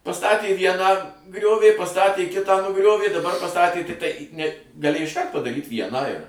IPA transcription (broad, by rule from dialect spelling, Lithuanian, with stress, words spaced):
pɐˈstɑːtʲeː ˈʋʲiɛnɑː ˈɡrʲoːʋʲeː pɐˈstɑːtʲeː ˈkʲɪtɑː nʊˈɡrʲoːʋʲeː dɐˈbɐr pɐˈstɑːtʲeː tʲɪkˈtɐɪ nʲɛ ɡɐˈlʲeːj ɪʃˈkɐrt pɐdɐˈrʲiːt ˈʋʲiɛnɑː ɪr